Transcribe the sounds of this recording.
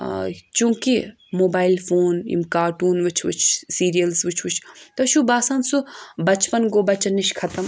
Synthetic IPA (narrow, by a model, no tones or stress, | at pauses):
t͡ʃũːki | moːbaːilfoːnḭmkaːɾʈuːnʋɨt͡ʃʰʋɨ̰t͡ʃʰsiːɾijɐlsʋɨt͡ʃʰʋɨt͡ʃʰt̪ɐʃubaːsaːnsubɐt͡ʃpɐnɡoːbɐt͡ʃɐnːiʃkʰɐt̪ɐm